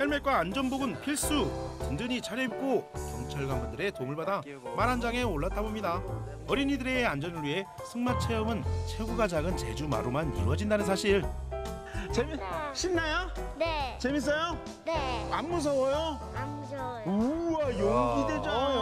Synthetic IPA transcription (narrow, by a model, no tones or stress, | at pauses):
heɭmek͈waːnd͡ʑʌnboɡɯnpʰiɭs͈utɯndɯɲit͡ɕʰaɾjʌip̚k͈okjʌŋt͡ɕʰaɭɡwaŋbɯndɯɾe̞toŋɯɭbada | maɾɦand͡ʑaŋe̞oɭːatʰabomɲida | ʌɾiɲidɯɾe̞and͡ʑʌnɯɭɥie̞ | sʰɯŋmat͡ɕʰe̞ʌmɯnt͡ɕʰeɡuɡad͡ʑaɡɯnt͡ɕe̞̰d͡ʑuma̰ɾomanḭwʌd͡ʑindanɯnsʰaɕʰiɾ | t͡ɕemɕʰinːajo | t͡ɕemis̬͈ʌjo | amːus̬ʰʌwʌjo | uajoɡided͡ʑo